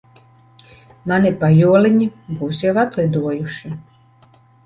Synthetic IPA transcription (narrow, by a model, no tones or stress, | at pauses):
manɛpajɔːleɲibuːsɛvat̪led̪uɔjuʃi